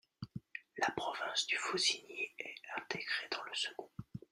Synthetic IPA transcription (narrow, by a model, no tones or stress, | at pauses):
lapχɔvɛ̃sd̪yfozinjeɛɛ̃t̪ʰeɡʁed̪ɑ̃ləsəɡɔ̃